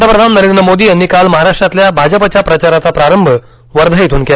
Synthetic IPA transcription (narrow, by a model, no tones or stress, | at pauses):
ʈ̪əpɾəd̪ʱannəɾend̪ɾəmod̪iːanːikalməɦaɾaʂʈɾat̪ljabʱad͡ʑəpat͡ɕapɾət͡ɕaɾat͡sapɾaɾəmbʱə | ʋəɾd̪ʱajit̪ʰuːnke